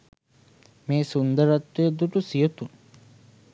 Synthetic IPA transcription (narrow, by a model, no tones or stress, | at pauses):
meːsund̪əɾat̪ːujəd̪uʈusijət̪un